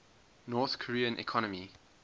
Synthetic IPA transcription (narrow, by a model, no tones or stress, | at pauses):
nɔːθkʰəɹiːə̃nʔḭkʰɔnəmi